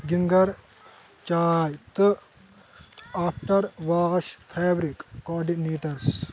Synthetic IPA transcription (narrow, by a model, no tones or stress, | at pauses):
ɡiŋɡɐɾ | t͡ʃaːjt̪ɨ | aːpʰʈɐɾʋaːɣɐʃpʰeːbɾikːɔːɖineːʈɐɾs